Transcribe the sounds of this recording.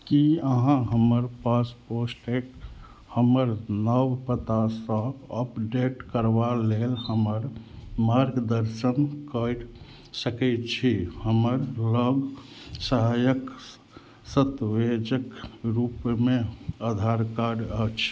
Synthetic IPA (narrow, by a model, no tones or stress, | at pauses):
kiəɦãɦəməɾpasposʈek | həməɾnəwpət̪asə̃əpɖeʈkəɾʋalelhəməɾmaɾɡd̪əɾʃənkəɾ | səkɛt̪t͡ʃʰihəməɾləɡsəɦajək | sət̪ʋed͡ʒəkɾupmẽəd̪ʱaɾkaɾət͡ʃʰ